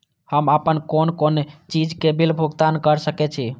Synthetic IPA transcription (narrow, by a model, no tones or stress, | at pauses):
həməpənkonkont͡ʃid͡ʒkebilbʱuɡt̪ankəɾsəkɛt͡ʃʰi